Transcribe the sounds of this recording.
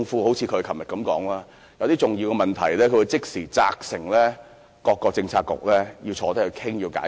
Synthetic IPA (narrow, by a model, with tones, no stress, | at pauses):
ŋfuː˥ho˨˥wt͡sʰiː˨˧kʰɵ˨˧ɥkʰɐ˨˩mjɐ˨t̚kɐ˨˥mkɔː˨˥ŋlaː˥ | jɐ˨˧wt̪iː˥t͡sʊ˨ŋjiː˧wkɛ˧mɐ˨˩nt̪ʰɐ̰˨˩jlɛː˥kʰɵ˨˧˥wu˧t͡sɪ˥k̚siː˨˩t͡sa̰ː˧k̚sɪ˨˩ŋlɛː˥ | kɔː˧kːɔː˧k̚t͡sɪ˧ŋt͡sʰaː˧t̚kːʊ̰˨k̚lɛː˥ji˧wt͡sʰɔː˨˧t̪ɐ˥k̚ʰːɵ˨˧kʰɪ˥ŋjiː˧wka̰ː˨˥